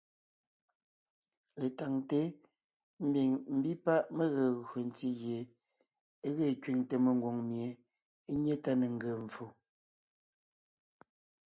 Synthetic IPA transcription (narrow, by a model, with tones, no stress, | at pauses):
le˨ta˨ŋte˦ | m̩˦bi˨ŋm̩˦bi˦pa˦ʔmə˦ɣə˨ɣo˨n˦ti˦ɣje˨˦ | ɣe˦˨kɥi˨ŋtə˨me˨ŋ˨ɡwo˨ŋmje˨ | e˦ɲe˦ta˦ne˨ŋ˦ɡə˨ɱ˨fo˨